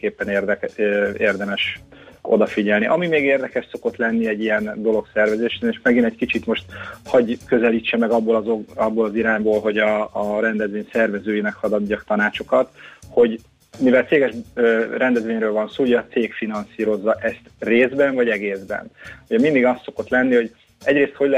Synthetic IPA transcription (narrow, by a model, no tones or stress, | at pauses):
keːpːɛnerd̪eːrd̪ɛmɛʃ | o̞̰d̪ɒfiɟɛlniʔɒmimeːɡeːrd̪ɛkɛʃso̞ko̞t̪lɛnːiɛɟːijɛnd̪o̞lo̞ksɛrvɛzeːʃeːneːʃmɛɡinɛckit͡ʃit̪mo̞ʃt̪hɒɟkø̞zɛliːt͡ʃːɛmɛɡɒbːolɒzoɒbːoːlɒziɾaːɲboːlɦo̞ɟɒːɾɛnd̪ɛzʋeːɲsɛrvɛzøːjinɛkhɒd̪ɒd̪ːɒkt̪ɒnaːt͡ʃo̞kɒt̪ho̞ɟ | mivɛlt̪seːɡɛʃrɛnd̪ɛzʋeːɲrøːlvɒnsoːuɟɛːt̪seːkfinɒnsiːɾo̞zːɒʔɛst̪reːzbɛɱvɒɟɛɡeːzbɛ̰nuɟɛmind̪iɡɒst̪so̞ko̞t̪lɛnːiho̞ɟ | ɛɟɾeːst̪ho̞ɟl